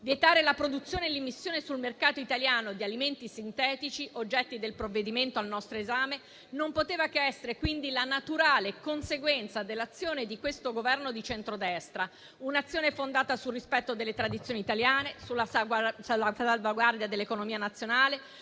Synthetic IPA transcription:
vjet̪aːɾelapɾod̪ut̪sjoːnelːimːisːjoːnesulmerkaːt̪oit̪aljaːnod̪ialiment̪isint̪ɛːt̪it͡ʃiʔod͡ʒːɛt̪ːid̪elpɾovːed̪iment̪oalnɔst̪ɾoezaːme | nompot̪eːvakeɛsːeɾekwind̪ilanat̪uɾaːlekonseɡwɛnt̪sad̪elːat̪sːjoːned̪ikwest̪oɡovɛrnod̪it͡ʃɛnt̪ɾod̪ɛst̪ɾa | unat̪sːjoːnefond̪aːt̪asulːispɛt̪ːod̪elːet̪ɾad̪it̪sjoːniːt̪aljaːnesulːasaasalvaɡward̪jad̪elːekonomiːanat̪sːjonaːle

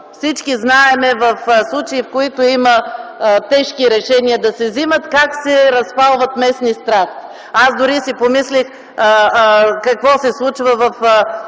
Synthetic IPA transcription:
fsit͡ʃkiznaɛmɛvɐfslˠut͡ʃɛifkoit̪oimət̪ɛʃkiɾɛʃɛniɐd̪ɐsɛzimət̪kaksɛɾɐspalˠvɐt̪mɛsnist̪ɾaxt̪ | azd̪ʊɾisipomislix | kɐkvɔsɛslˠut͡ʃvəvɐf

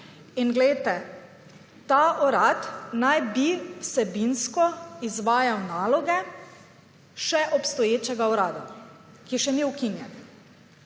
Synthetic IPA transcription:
inɡlɛjt̪ɛ | t̪aʔɔɾat̪najbiwsɛbinskɔizʋaːjawnaːlɔɡɛ | ʃɛʔɔpst̪ɔjeːt͡ʃɛɡaɔɾaːd̪a | kiɛʃɛniukinjɛn

